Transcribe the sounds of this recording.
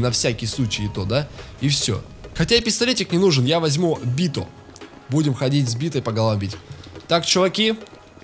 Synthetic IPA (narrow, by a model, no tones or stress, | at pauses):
nɐfsʲakʲɪjslˠut͡ɕɪjɪt̪od̪aifsʲo̰ | xɐtʲaɪpʲɪst̪ɐlʲetʲɪknʲɪnuʐɨnjavɐzʲmubʲit̪ʊ̰ | budʲɪmxɐdʲitʲzʲbʲit̪əpəɡɐlˠɐvɐbʲitʲt̪akt͡ɕʊvɐkʲi